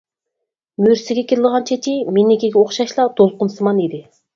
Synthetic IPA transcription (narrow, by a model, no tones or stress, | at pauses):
myɾsɪɡʲɛkʲiɾɪləʁɑnt͡ʃʰet͡ʃʲʰimenɪkʲeɡʲɛoχʃɑʃlˠɑd̪̥olˠqʊnsɨmɑnid̪ɪ